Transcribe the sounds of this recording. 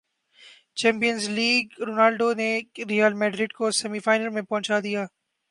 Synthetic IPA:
t͡ʃɛ̃ːmpijənzliːɡɾoːnaːlɖoneɾijəlmɛːɖɾɪɖkosɛmifaːɪnəlmẽpɔ̃ɦt͡ʃaːd̪ijaː

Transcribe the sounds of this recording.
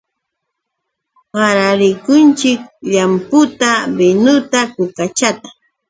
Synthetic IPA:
ɢɑɾaɾɪkʊnt͡ʃɪk̚ʎampʊt̪abɪnʊt̪akʊkat͡ʃat̪ḁ

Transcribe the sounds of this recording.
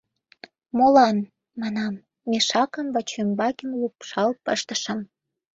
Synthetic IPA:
molɑn | mɑnɑmː | eʃɑkə̆mvɑt͡ɕømbɑkʲenlupʃɑlpəʃt̪ə̆ʃə̆m

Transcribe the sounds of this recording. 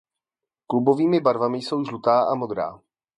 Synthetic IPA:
klubo̞viːmɪbaɾvamɪjso̞wʒlut̪aːʔamo̞d̪ɾa̰ː

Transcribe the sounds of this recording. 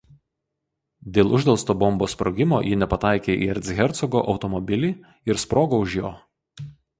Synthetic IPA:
d̪ʲeːlˠʔʊʒʲd̪ʲɛlˠst̪oːbɔmboːspɾɔɡʲɪmo̰ːjɪnʲɛpɐt̪ɑˑɪkʲeːʔḭɛɾʲt̪sʲɣʲɛɾt̪sɔɡo̰ːʔɒʊt̪ɔmɔbʲɪlʲiː | ɪɾspɾoːɡoːʊʒʲjoː

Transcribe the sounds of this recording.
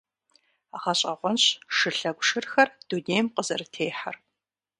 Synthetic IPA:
aʁɐɕʼɐʁʷɔnɕʂɨɬɐɡʷʂɨrxɐrd̥uneːjmqəzɐrɨtʰeːħa̰r

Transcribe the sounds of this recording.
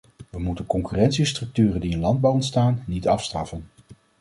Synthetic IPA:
ʋəmutənkɔŋkyrɛntsistrɵk̚tyːrəndiənlɑnd̚bɑwɔntstaːnːitɑfstrɑfən

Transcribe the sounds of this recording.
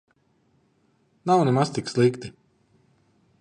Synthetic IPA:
nawnɛmast̪ikslˠikt̪i

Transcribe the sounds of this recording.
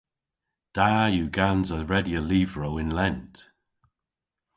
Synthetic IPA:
d̥aːjuɡanzəɹɛdjəliːvɹowɪ̃nlɛnt

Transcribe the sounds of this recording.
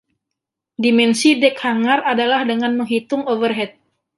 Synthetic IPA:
dimɛnsidɛkhaŋaradalahdəŋanməŋɦit̪ʊŋovərɦɛt̪̚

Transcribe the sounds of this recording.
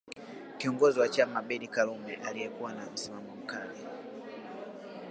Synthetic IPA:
kiɔŋɡɔziwat͡ʃamaɓɛɗikalumɛʔaliɛkuwanam̩simamɔm̩kali

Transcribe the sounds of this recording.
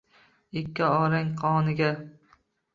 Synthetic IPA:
ɪkʲːaɒːɾɪŋqʰɒːnɪɡʲa

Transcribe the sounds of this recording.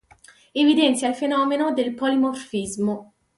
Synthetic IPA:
evid̪ɛnt̪sʲjailfenɔːmenod̪elpolimorfizmo

